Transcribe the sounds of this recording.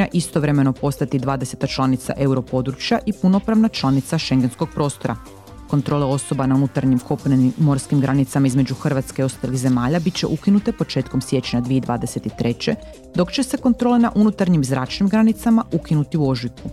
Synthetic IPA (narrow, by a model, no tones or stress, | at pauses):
aʔist̪o̞ʋɾe̞me̞no̞po̞st̪at̪id̪ʋaːd̪e̞se̞t̪at͡ʃlˠanit̪sa̰ʔe̞uɾo̞po̞d̪ɾut͡ʃjaʔipuno̞pɾaʋnat͡ʃlˠanit̪saʃe̞ŋɡe̞nsko̞ɡ̚pɾoːst̪o̞ɾa̰ | ko̞nt̪ɾo̞ːleo̞so̞banaunut̪aɾɲimkʰo̞pneniːo̞ɾskimɡɾanit̪samaizme̞d͡ʑuxr̩ʋat̪ske̞io̞st̪alixze̞maːʎabit̪t͡ɕe̞̰ʔukinut̪e̞po̞t͡ʃe̞ːt̪ko̞msje̞t͡ɕɲad̪ʋied̪ʋa̰ːd̪e̞se̞t̪it̪ɾe̞t͡ɕe̞ | d̪o̞kt͡ɕe̞se̞ko̞nt̪ɾo̞ːlˠe̞naʔunut̪aɾɲimzɾaːt͡ʃnimɡɾanit̪samaukinut̪iuo̞ʒit̪ku